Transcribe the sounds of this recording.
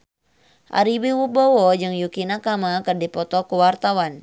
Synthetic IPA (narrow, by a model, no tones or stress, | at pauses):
ʔa̰ɾibiwubɔwɔd͡ʒɨŋjukinakamakɨrdipɔt̪ɔkuwart̪awan